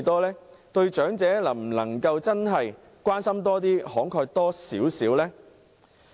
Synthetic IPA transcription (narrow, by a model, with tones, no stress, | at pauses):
t̪ɔː˥lɛː˥ | t̪ɵ˧ɥt͡ʃœː˨˥ŋt͡sɛː˨˥lɐ˨˩m̩˨˩nɐ̰˨˩ŋkɐ˧wt͡sɐ˥nɦɐ˨j | kʷaː˥nsɐ˥mt̪ɔː˥t̪̬iː˥hɔː˨˥ŋkʰœː˧k̚t̪ɔː˥siː˨˥wsiː˨˥wlɛː˥